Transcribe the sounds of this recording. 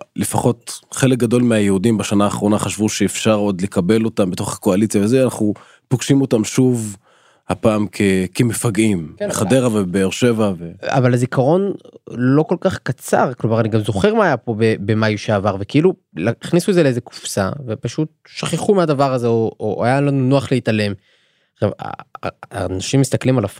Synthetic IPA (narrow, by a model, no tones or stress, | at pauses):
lefaχo̞tχe̞lek̚ɡado̞lmeajehudimbaʃanaːχʁo̞naχaʃvuʃeːfʃaʁo̞d̪le̞kabe̞lo̞tambet̪o̞χhḁko̞alit͡sjavezeanaχnu | poɡʃimo̞tamʃuv | hapaːmkʰekemefaɡimeχadeʁavabeːʁʃe̞vavea̰valhazikaʁo̞nlo̞ko̞lkaχkat͡sa̰ʁklo̞maʁaniɡamzo̞χe̞ʁmaːjapo̞bebe̞majuʃeaːvaʁve̞keilu | aiχnisuezeleezeku̥fsa̰ve̞paʃut̪̚ʃaχeχumead̪avaʁazeoʔoʔajalanunoaχleitale̞m | ʁava̰anaʃimːist̪aklimalav